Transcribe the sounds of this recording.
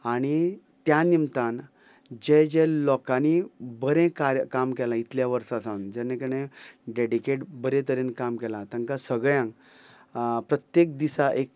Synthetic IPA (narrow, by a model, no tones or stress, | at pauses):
aɽ̃i | t̪janimt̪an | d͡ʑẽd͡ʑɛlɔkanibəɾẽkaɾjəkamkɛlãit̪ʰljaʋəɾsasãnd͡ʑɛnẽkəɽ̃ẽɖeɽikeʈbəɾẽt̪əɾẽnkamkɛlãt̪aŋkasəɡɭjãŋk | pɾət̪jek̚d̪isaʔek̚